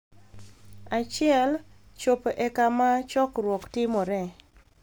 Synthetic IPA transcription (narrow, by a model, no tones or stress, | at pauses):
at͡ʃɪɛl | t͡ʃopʔɛkamat͡ʃɔkrwɔktɪmɔɾɛ